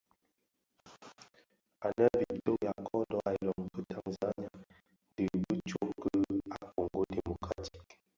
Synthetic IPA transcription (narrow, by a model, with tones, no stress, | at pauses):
a˨nə˦vi˨to˦ja˨kɔ˦dɔ˦ʔa˨lɔ˨ŋkə˦ta˨ŋza˦ɲ˦a˦ | n˦də˨bə˦t͡ʃo˦kə˦a˨ko˨ŋɡo˦de˨mo˨kɾa˨ti̥˦k